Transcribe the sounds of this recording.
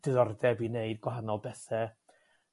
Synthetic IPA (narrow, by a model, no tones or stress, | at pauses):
d̥ɪðɔrdɛbineɨd̚ɡwaɦanɔlˠbɛθɛ